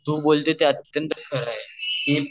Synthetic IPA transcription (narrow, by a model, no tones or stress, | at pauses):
d̪ʱubolt̪et̪eət̪jənt̪əkʰəɾaɦet̪e